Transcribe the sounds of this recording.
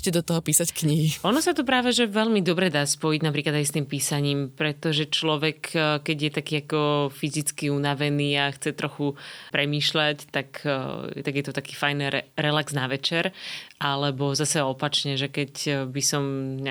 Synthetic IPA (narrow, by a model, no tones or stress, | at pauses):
cɛd̪ɔt̪ɔɦɔpiːsackɲiɦiʔɔnɔsat̪ɔp̬ɾaːʋɛʒɛʋɛʎmid̪ɔbɾɛd̪aːspɔjiɟnapɾiːklad̪ajst̪iːmpiːsaɲiːmpɾɛt̪ɔʒɛt͡ʃlɔʋɛkkɛɟjɛt̪akiːakɔfizit͡skiunaʋɛniːaxt͡sɛt̪ɾɔxupɾɛmiːʃlact̪akt̪aɡjɛt̪ɔt̪akiːfajnɛɾɛɾɛlakz̥naʋɛt͡ʃɛɾʔalɛbɔzasɛɔpat͡ʃɲɛʒɛkɛcbisɔmɲ